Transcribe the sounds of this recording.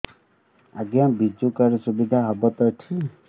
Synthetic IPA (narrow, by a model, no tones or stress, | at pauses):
aɡjabid͡ʒukaɾɔsubid̪ʱaɦɔbɔt̪ɔʈʰi